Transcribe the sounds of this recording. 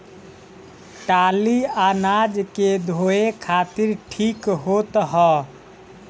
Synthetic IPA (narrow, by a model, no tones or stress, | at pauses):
ʈalianad͡ʒked̪ʱoekʰat̪iɾʈʰikɦot̪ɦɔ